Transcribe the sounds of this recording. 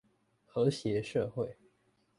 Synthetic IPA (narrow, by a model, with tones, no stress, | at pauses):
xɤ˧˥ɕjɛ˧˥ʂɤ˥˧xwe˥˩ɪ